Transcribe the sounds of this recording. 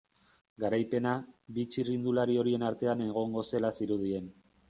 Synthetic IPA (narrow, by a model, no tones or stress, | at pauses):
ɡaɾajpe̞naβit͡ʃirind̪ulaɾio̞ɾie̞naɾt̪e̞ane̞ɣ̞o̞ŋɡo̞se̞lasiɾuðie̞n